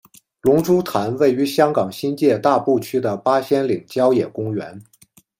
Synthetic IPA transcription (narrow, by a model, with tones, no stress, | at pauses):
lʊ˧˥ŋʈ͡ʂu˥t̪ʰa˧˥nwe˥˩ɪy˧˥ɕjɑ˥ŋkɑ˨˩ŋɕi˥nt͡ɕjɛ˥˧t̪a˥˧pu˥˩t͡ɕʰy˥d̪ə˨pa˥ɕjɛ˥nli˨˩ŋt͡ɕjɑ˥ʊjɛ˨˩kʊ˥ŋɥɛ˧˥n